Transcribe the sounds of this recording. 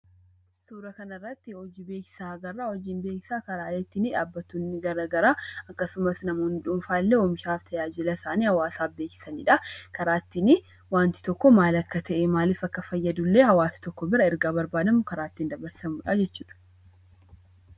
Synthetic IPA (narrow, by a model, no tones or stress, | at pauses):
suːɾɐkɐnɐrːɐt̪ːɪhɔd͡ʒibe̞ːkɪ̥saːɐɡɐrːaːhɔd͡ʒiːnbeːkɪ̥saːkɐɾaːlɛt̪ːɪnɪᶑaːbːɐt̪ːuːnːɪɡɐɾaɡɐɾaːɐkːɐsʊmɐsnɐmoːnɪᶑʊmfaːlːeːɔmɪʃaːft̪ʰɐjaːd͡ʒɪlɐsaːniːhɐwaːsaːbeːkɪ̥sɐnḭᶑɐkɐɾaːt̪ːɪnɪ | waːnt̪ɪ̥t̪ɔkːɔmaːlɐkːɐt̪ʰɐʔɛmaːliːfɐkːɐfɐjːɐd̪ʊlːeːhɐwaːst̪ɔkːɔbɪɾɐɪɾɡaːbɐɾbaːd̪ɐmʊkɐɾaːt̪ːind̪ɐbɐɾsɐmuːᶑaːd͡ʒɛt͡ʃːuːᶑɐ̥